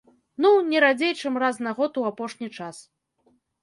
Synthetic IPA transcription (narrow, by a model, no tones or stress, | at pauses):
nunʲɛɾad͡zʲejt͡ʂɐmraznaɣɔt̪uapɔʂnʲit͡ʂas